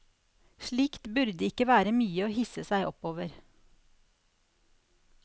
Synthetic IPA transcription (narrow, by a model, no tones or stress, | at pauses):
ʃɭiːkt̪bʉɾd̪əɪkəʋæːɾəmyːəoːhɪsəsæɪʔɔ̰poːʋəɾ